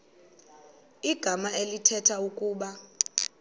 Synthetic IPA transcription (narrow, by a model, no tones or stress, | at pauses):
iɡ̥ʱamaʔelitʰɛtʰaukʼuːɓa